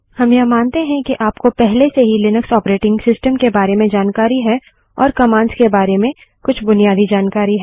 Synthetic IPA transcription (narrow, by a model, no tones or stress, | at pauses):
hɐmjɐmãːnt̪eɦɛ̃kiʔaːpkopɛɦleseɦilɪnəksɔːpɾeːʈɪ̃ŋɡsɪsʈəmkebaːɾemẽd͡ʒaːnkaːɾiɦɛː | ɔːɾkɐmãːnskebaːɾemẽ | kʊt͡ʃʰbʊnijaːd̪id͡ʒaːnkaːɾiɦɛː